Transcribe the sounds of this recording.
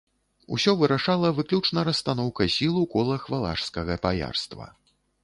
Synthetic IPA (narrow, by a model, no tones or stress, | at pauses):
ṵsʲɔvɨɾaʂalˠɐvɨklʲut͡ʂnɐɾɐst̪anɔwkɐsʲilˠukɔlˠɐxvalˠa̰ʂskɐɣɐpaja̰rst̪vɐ̰